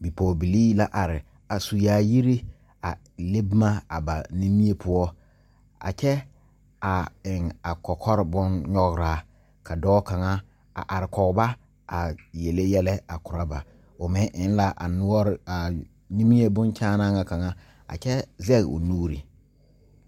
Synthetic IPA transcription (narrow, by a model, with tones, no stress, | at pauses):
bi˨pɔː˨bi˨liː˦la˦ʔa˨ɾɪ˨ | a˨su˨jaː˨ji˦ɾi˦ | a˨ | le˦bma˦a˨ba˨ni˦mi˦e˦pʰʊ˦ɔ˦ | a̰˨t͡ʃɛ˦ | a˨ɪ˨ŋa˨kɔ˨kʰɔ˦ɾɪ˨bʊ˦nɲɔ˦ɣɾa˨˦ | kʰa˨dɔː˦ka˨ŋa˦ | a̰˨ʔa˨ɾɪ˨kɔ˨ɣba˦ | a˨je˨le˦jɛ˦lɛ˦a˨kʊ˨ɾa˦ba˨ | ʊ˨mɪ˦ʔɪ˨˦n˦la˦ʔa̰˨nʊ˦ɔ˦ɾa˨ | ni˦mi˦e˦bʊ˦nt͡ʃaː˦na˦ŋa˦ka˨ŋa˦ | a̰˨t͡ʃɛ˦zɛ˦ɣʊ̰˨nuː˦ɾḭ˨